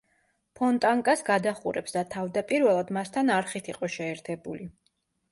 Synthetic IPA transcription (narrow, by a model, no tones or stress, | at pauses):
pʰɔnt̪ʼaŋkʼasɡad̪aχṵɾɛpsd̪at̪ʰavd̪apʼiɾvɛlˠad̪mast̪ʰanaɾχit̪ʰiqʼɔʃɛːɾt̪ʰɛbuli